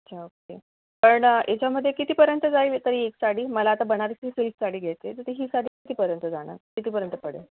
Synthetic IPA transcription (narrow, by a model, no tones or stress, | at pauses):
ətɕʰaoke | pəɳjet͡ɕjaməd̪ʱːjekit̪iːpəɾjənt̪əd͡zait̪əɾiːeksaɽ̤iːməlaːt̪abəɽ̃aɾit͡sisissaɽiːɡʱejt͡set̪ət̪iɦiːsaɽiːkit̪iːpəɾjənt̪əd͡zaɽ̃a̰ɾkit̪iːpəɾjənt̪əpəɽḛ